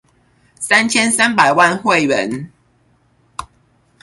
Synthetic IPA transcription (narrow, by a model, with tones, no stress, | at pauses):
sa˦nt͡ɕʰjɛ˦nsa˦npa˨˩ɪwa˥˨nxwe˥˨ɪɥə˨˦n